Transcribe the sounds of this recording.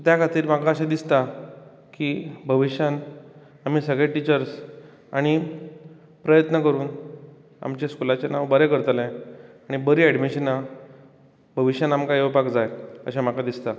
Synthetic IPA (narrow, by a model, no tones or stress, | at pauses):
t̪jakʰat̪iːɾmakaəɕãd̪ist̪a | kibʱəʋiɕjan | am̤iːsəɡɭeʈit͡ɕəɾs | aɽ̃i | pɾəjət̪nəkəɾuːn | a̰mt͡ɕeskulat͡ɕenaʋbəɾekəɾt̪əlẽaɽ̃ibəɾiːɛɽmiɕina | bʱəʋiɕjanamkajeʋpakd͡zajə̰ɕam̤akad̪ist̪a